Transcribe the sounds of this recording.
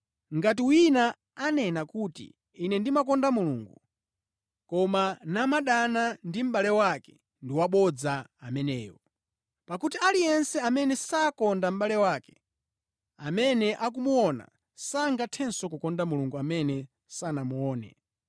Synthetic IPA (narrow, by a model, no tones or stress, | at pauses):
ŋɡat̬iwina | anɛnakutḭː | nɛndimak̬ɔndamuluːŋɡu | kɔmanamaɗanandim̩ɓalɛwakɛ̥ | ndiwaɓɔd͡zaamɛnɛːjɔ | pakutialijɛnsɛamɛnɛsakɔndam̩ɓalɛwakɛ̥ | amɛnɛʔak̬umuɔna̰ | saŋɡatʰɛnsɔkukɔndamuluŋɡuamɛnɛ | sanamuɔːnɛ̰